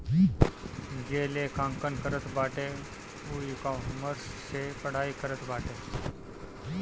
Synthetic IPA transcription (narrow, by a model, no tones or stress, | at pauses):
ɡelekʰãːŋkənkəɾət̪baːʈe | uikaməɾssepəɽ̤aːikəɾət̪baːʈe